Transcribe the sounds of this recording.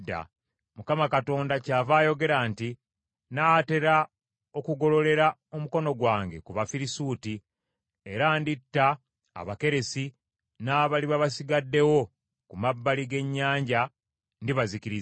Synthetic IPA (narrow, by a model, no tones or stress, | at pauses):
dːa̰ | mukamakato̞ːndacaːvaːjo̞ɡe̞ɾaːnti | nate̞ɾa | o̞kuɡo̞lo̞le̞ɾaomuko̞no̞ɡwaːŋɡe̞̰kuβafiɾisuːti | e̞ɾaːnditːa̰ː | βake̞ɾe̞si | naːβaliβaβasiɡadːe̞wo̞ | kumabːaliɡe̞ɲːaːɲɟa | ndiβaziciɾi